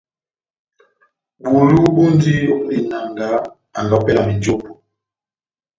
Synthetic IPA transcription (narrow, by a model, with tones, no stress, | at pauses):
ɓu˨lu˦ɓu˦n˦di˦o˦ni˨na˨ŋɡa˨˦ | a̰˨ŋɡa˨pɛ˦la˨mi˨do˦po˨